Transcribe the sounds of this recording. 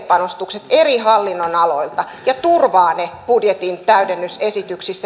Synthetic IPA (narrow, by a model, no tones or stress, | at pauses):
pɑnost̪ukset̪eriɦɑlːinːonɑlo̞ilt̪ɑ | jɑt̪urʋɑːnepudjet̪int̪æydenːysesit̪yksisːæ